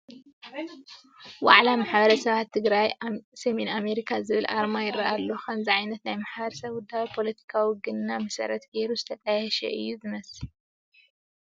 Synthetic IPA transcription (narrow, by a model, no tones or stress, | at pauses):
wa̰ʕlamaħbɐɾɐsɐβat̪ʰːɨɡɾajsɐmename̞ɾikʰazɨβɨlʔa̰ɾmajɪɾɐʔalːo̞xɐmzɨʕajnɐt̪najmaħbɐɾɐsɐβd̪aβpʰo̞lɐt̪ʰi̥kʰawiɡɨnːamɐsɐ̰ɾɐt̪ɡeɾuzɨt̪ʰɐt̪ʼajɛʃɛ̰ʔɨ̰jːuzɨmɐs